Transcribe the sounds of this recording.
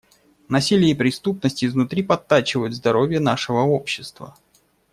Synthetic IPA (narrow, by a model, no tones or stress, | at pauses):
nɐsʲilʲɪjəipɾʲɪst̪upnəsʲtʲɪznʊt̪ɾʲipɐt̪ːat͡ɕɪvəjʊt̪zd̪ɐɾo̞vʲjənaʂɨvəo̞pɕːɪ̥st̪və̰